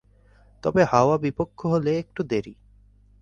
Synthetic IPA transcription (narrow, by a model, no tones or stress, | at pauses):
t̪ɔbehaoabipokʰːoɦoleek̚ʈud̪eɾi